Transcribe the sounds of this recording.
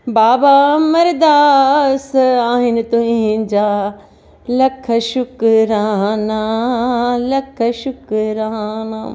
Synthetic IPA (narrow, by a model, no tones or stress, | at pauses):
baːbamɐɾd̪aːsaːɦɪnɪt̪uɦĩɦɪ̃d͡ʑaː | lɐkʰɐʃʊkɾaːɦnaː | lɐkʰɐʃʊkɾaːnaː